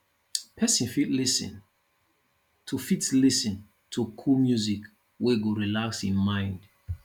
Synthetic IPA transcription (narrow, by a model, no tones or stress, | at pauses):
pʰɛsĩnfitlisḭ̃n | tʰufitlisĩn | tʰukʰulmjuzik | weɡoɹilakshĩmmãɪ̃nd